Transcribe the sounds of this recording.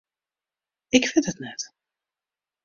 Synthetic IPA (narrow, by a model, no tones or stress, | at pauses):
ɪkfɪntətnɛt